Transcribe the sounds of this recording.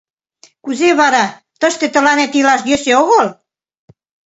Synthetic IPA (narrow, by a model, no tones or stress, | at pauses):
kuzeβɑɾɑ | t̪əʃt̪et̪ə̆lɑnet̪ilɑʃjøseoɣol